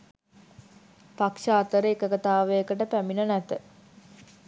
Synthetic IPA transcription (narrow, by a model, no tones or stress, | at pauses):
pakʂaːt̪əɾəekəkat̪aːʋəjəkəʈəpæminənæt̪ə